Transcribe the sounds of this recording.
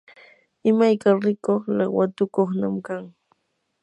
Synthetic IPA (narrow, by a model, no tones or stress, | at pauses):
ɪmajkaɾɪkoχlɑwat̪ʊkoχnamkaŋ